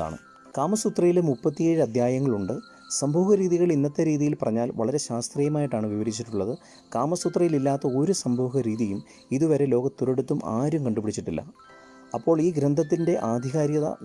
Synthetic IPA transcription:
a̰ːɳɨ̰ | kaːmɐsut̪rɐjilmupːɐt̪ːijeːɻɨɐd̪ʱjaːjɐŋːɐɭuɳɖɨ | sɐmbʱoːɣɐɾiːðiɣɐɭinːɐt̪ːɐɾiːðijilpɐrɐɲːaːlʋɐ̰ɭɐɾe̞ɕaːst̪riːjɐmaːjiʈːaːɳɨʋiʋɐɾit͡ɕːiʈːuɭːɐðɨ | kaːmɐsut̪rɐjililːaːt̪ːɐo̞ɾusɐmbʱoːɣɐɾiːðijum | iðuʋɐɾe̞lo̞ːɣɐt̪ːuɾeɽut̪ːuma̰ːɾumkɐɳɖupiɽit͡ɕːiʈːilːɐ̰ | ɐpːo̞ːɭiːɡɾɐnd̪ʱɐt̪̬ːinde̞ʔaːd̪ʱiɣaːɾjɐðɐ̰

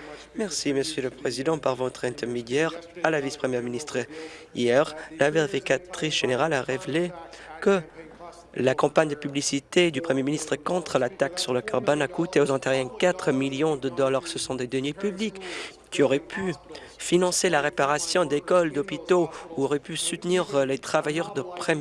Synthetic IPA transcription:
mɛʁsiməsjøləpχezid̪ɑ̃paʁvɔt̪χɛ̃t̪ɛʁmed̪jɛʁalavispχəmjɛʁminist̪χḭjɛʁlaveʁifikat̪χisʒ̥eneʁalaʁevle | kə | lakɑ̃paɲd̪əpyblisit̪ed̪ypχəmjeminist̪χəkɔ̃t̪χəlat̪aksyʁləkaʁbɔnakut̪eozɑ̃t̪ɛʁjɛ̃kat̪χəmiljɔ̃d̪əd̪ɔlaʁsəsɔ̃d̪ed̪ənjepyblikːʲ | iɔʁɛpʰy | finɑ̃selaʁepaʁasjɔ̃d̪ekɔld̪ɔpit̪ouɔʁɛpysut̪niʁlet̪χavajœʁd̪əpχɛ

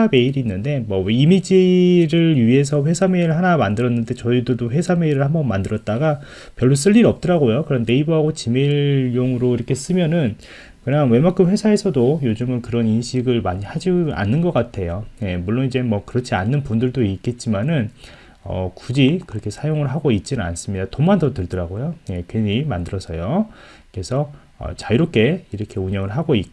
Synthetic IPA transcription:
ame̞iɾiːnːɯnde̞mwʌweimid͡ʑiɾɯɥie̞s̬ʰʌɸwe̞sʰame̞iɾɯɭɦanamandɯɾʌnːɯnde̞t͡ɕʌidodoɸwe̞sʰame̞iɾɯɭhambʌnmandɯɾʌt̚t͈aɡa | pjʌɭːos͈ɯʎːiɾiʌp̚t͈ʌɾaɡojokɯɾʌnːe̞ibuɦaɡot͡ɕimiɭjoŋɯɾoiɾʌkʰe̞s͈ɯmjʌnɯn | kɯɲaŋwe̞mak͈ʰːɯɸwe̞sʰae̞sʰʌdojod͡ʑɯmɯnkɯɾʌninɕʰiɡɯɭmaɲihad͡ʑia̰nːɯnɡʌk͈atʰe̞joje̞muɭːonid͡ʑe̞mʌkɯɾʌt͡ɕʰianːɯnpundɯɭdoik͈e̞t̚t͡ɕ͈imanɯn | ʌ̰kud͡ʑikɯɾʌkʰe̞sʰajoŋɯɭɦaɡoit̚t͡ɕ͈inɯna̰ns͈ɯmɲid̥atomandʌtɯɭdɯɾaɡojoje̞kweɲimandɯɾʌsʰʌjo | kɾe̞sʰʌ | ʌ̰t͡ɕaiɾop̚k͈e̞iɾʌkʰe̞uɲjʌŋɯɭɦaɡoik͈̚

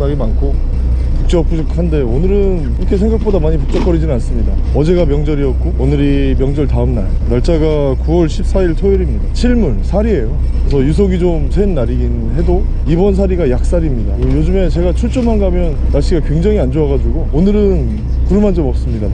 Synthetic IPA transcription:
naɡimankʰo | puk̚t͡ɕ͈ʌp̚k͈uikʰhande̞onɯɾɯn | ɾʌkʰe̞s̬ʰe̞ŋɡak̚p͈odamaɲipuk̚t͡ɕ͈ʌk͈ʌɾid͡ʑinans͈ɯmɲida | ʌd͡ʑe̞ɡamjʌŋd͡ʑʌɾiʌt̚k͈oonɯɾi | mjʌŋd͡ʑʌɭtaɯmnajnaɭt͡ɕ͈aɡa | kuwʌɭɕʰip̚s͈aiɭtʰoiɾimɲidat͡ɕʰiɭmunsʰaɾie̞jokɯɾesʰʌjus̬ʰoɡid͡ʑomsʰwenːaɾiɡin | ɦe̞do | ibʌns̬ʰaɾiɡajak̚s͈aɾimɲidajod͡ʑume̞t͡ɕe̞ɡat͡ɕʰuɭt͡ɕ͈omanɡamjʌn | naɭɕ͈iɡakwe̞ŋd͡ʑaŋiand͡ʑoaɡad͡ʑuɡoonɯɾɯn | kuɾɯmand͡ʑomʌp̚s͈ɯmɲida

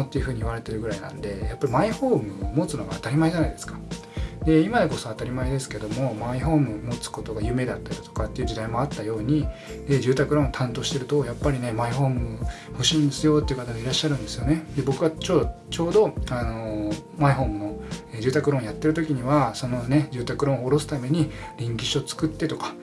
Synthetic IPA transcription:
ot̪ːeiɯ̟ɸɯ̟ːɲ̟iβ̞aɾe̞t̪e̞ɾɯ̟ɡɯ̟ɾainã̰nd̪e̞japːaɾʲimaiho̞ːmɯ̟mo̞t͡sɨnoɡaːt̪aɾʲimae̞d͡ʑanaid̪e̞sɨ̥kḁ | d̪e̞imad̪e̞ko̞so̞at̪aɾʲimaed̪e̞sɨ̥ke̞d̪o̞mo̞maiɦo̞ːmɯ̟mo̞t͡sɨ̥ko̞t̪o̞ɡajɯ̟me̞d̪at̪ːaɾʲi̥t̪o̞̥kat̪ːe̞iɯ̟d͡ʑid̪aimo̞at̪ːajo̞ːɲ̟ied͡ʑɨːt̪akɯ̟ɾõt̪ʰãnt̪o̞ːɕi̥t̪e̞ɾɯ̟t̪o̞japːaɾʲine̞maiho̞ːmɯ̟ | hoɕĩnd̪esɨjo̞ːt̪ːeiɯ̟kat̪aɡoiɾaɕːaɾɯ̟̃nd̪esɨjo̞ne̞d̪e̞bo̞kɯ̟βat͡ɕo̞ːd̪o | t͡ɕo̞ːd̪o̞ano̞maiɦo̞ːmɯno̞ed͡ʑɨːt̪akɯ̟ɾõːjat̪ːe̞ɾɯ̟t̪o̞kʲiɲ̟iβaso̞no̞ne̞d͡ʑɨːt̪akɯ̟ɾõooɾo̞s̬ɨ̥t̪ame̞ɲ̟iɾʲĩŋkʲiɕot͡sɨ̥kɯt̪ːe̞t̪o̞kḁ

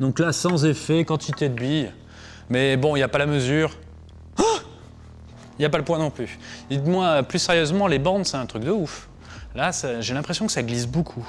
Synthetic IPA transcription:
d̪ɔ̃klasɑ̃zefɛkɑ̃t̪ʰit̪ed̪əbij | mɛbɔ̃iljapalaməzyːʁ | iljapaləpwɛ̃nɔ̃plyid̪mwaøplysɛʁjøzmɑ̃lebɑ̃d̪sɛɛ̃t̪χyk̚d̪əuf | lasaʒelɛ̃pχesjɔ̃kə̥saɡlis̬bokʰu

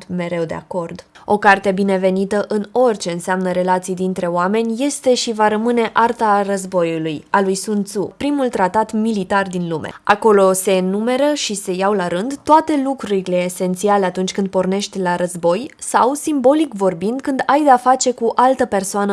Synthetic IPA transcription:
me̞ɾe̞wd̪e̞̰a̰ko̞rd̪ | o̞kart̪e̞bine̞ve̞nit̪əʔɨno̞rʲt͡ʃe̞ɨnseamnəɾe̞lat̪sijd̪int̪ɾe̞oame̞nʲje̞st̪e̞ʃivaɾəmɨne̞ʔart̪arəzbo̞julujalujsunt̪supɾimult̪ɾat̪at̪milit̪ard̪inlume̞̰a̰ko̞lo̞se̞ɨnume̞ɾəʃise̞jawlaɾɨnd̪t̪ːoat̪e̞lukɾuɾile̞ːse̞nt̪sialeat̪unt͡ʃʲkɨnd̪̚porne̞ʃt̪ʲlaɾəzbo̞jsawsimbo̞likvo̞rbind̪kɨnd̪ajd̪eafat͡ʃe̞kuʔalt̪əpe̞rsoanə

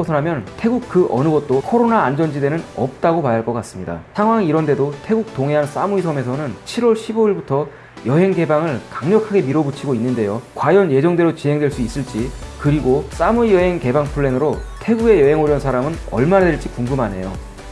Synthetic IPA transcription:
sʰʌnɦamjʌntʰe̞ɡuk̚kɯʔʌ̰nɯɡʌt̚t͈okʰʌɾonaːnd͡ʑʌnd͡ʑide̞nɯnʌp̚t͈aɡopajaɭk͈ʌk͈as͈ɯmɲida̰sʰaŋwaŋiɾʌnde̞dotʰe̞ɡuk̚toŋɦeɦans͈amuisʰʌme̞sʰʌnɯnt͡ɕʰiɾwʌɭɕʰiboiɭbutʰʌ | jʌɦe̞ŋɡe̞baŋɯɭkaŋɲʌkʰaɡe̞miɾobut͡ɕʰiɡoinːɯnde̞jokwajʌnje̞d͡ʑʌŋdwe̞ɾot͡ɕiɦe̞ŋdwe̞ɭs͈uis͈ɯɭt͡ɕ͈ikɯɾiɡos͈amuijʌɦe̞ŋke̞baŋpʰuɭːe̞nɯɾotʰe̞ɡuɡe̞jʌɦe̞ŋoɾjʌnsʰaɾamɯnʌ̰ɭmanadweɭt͡ɕ͈ikuŋɡɯmane̞̰jo̰

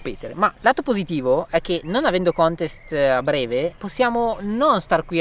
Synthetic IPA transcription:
peːt̪eɾḛmalaːt̪opozit̪iːvoɛk̟ːenːonavɛnd̪okɔnt̪est̪abːɾɛːveposːjaːmononst̪arkwi

